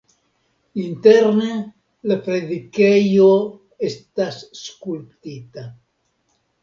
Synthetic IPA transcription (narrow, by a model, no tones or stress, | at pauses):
int̪eɾne | lepɾeðikejo | est̪asskulpt̪it̪a